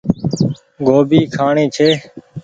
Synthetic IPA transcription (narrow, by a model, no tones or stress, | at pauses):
ɡoːbiːkʰaːɳiːt͡ʃʰeː